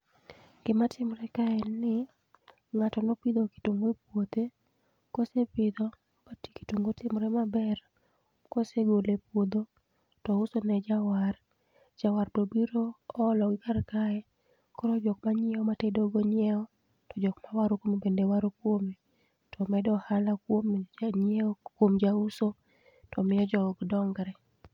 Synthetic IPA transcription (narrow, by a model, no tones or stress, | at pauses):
ɡ̥ɪmatʰɪmɾɛkaɛnːɪ | ŋatɔnɔpid̪oki̥tuŋɡepwot̪e | kosepɪd̪ɔ | bati̥ki̥tuŋɡotɪmɾɛmabɛr | koseɡolepwod̪o | tɔʊsonɛd͡ʒawar | d͡ʒawaɾpɾobiɾoːlɔɡɪkarkaɛ | kɔɾɔd͡ʒɔkmaɲɛɔmatedoɡoɲɛɔ | tɔd͡ʒɔkmawaɾokwomebendewaɾokwome | tʰɔmɛdɔhalakwomɲɛkwomd͡ʒauso | tɔmɪjɔd͡ʒɔɡdɔŋɡɾɛ